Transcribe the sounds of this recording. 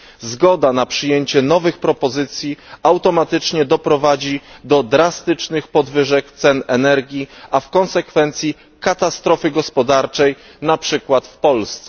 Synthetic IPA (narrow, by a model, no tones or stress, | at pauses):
zɡɔd̪anapʂɘjeɲt͡ɕɛnɔvɘxpɾɔpɔzɘt̪sʲjiawt̪ɔmat̪ɘt͡ʂɲɛd̪ɔpɾɔvad͡ʑid̪ɔd̪ɾast̪ɘt͡ʂnɘxpɔd̪vɘʐɛkt̪sɛnɛnɛɾɡʲiafkɔnsɛkfɛnt̪sʲji | kat̪ast̪ɾɔfɘɡɔspɔd̪aɾt͡ʂɛj | napʂɘkwat̪fpɔlst̪sɛ